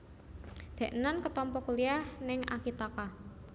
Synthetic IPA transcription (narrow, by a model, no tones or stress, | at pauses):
d̪̥ɛ̤ʔnankət̪ɔmpɔkuliahnɪŋa̰kit̪aka